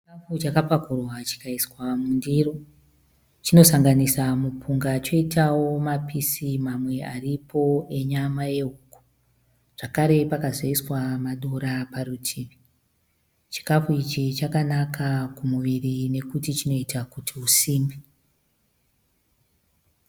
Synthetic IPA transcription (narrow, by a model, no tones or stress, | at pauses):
t͡ʃikafut͡ʃakapakurwat͡ʃi̥kaiswamundiro̞ | t͡ʃino̞saŋɡanisamupʰuŋɡat͡ʃo̞itawo̞mapisimamwe̞ʔaripʰo̞e̞ɲamaje̞uːku̥ | ʐ̥akaɾe̞pakazoiswamaɗo̞ɾapaɾutʰiːʋi | t͡ʃi̥kafuit͡ʃit͡ʃakanakʰakumuʋirine̞kutit͡ʃino̞itakutʰiusiːmbi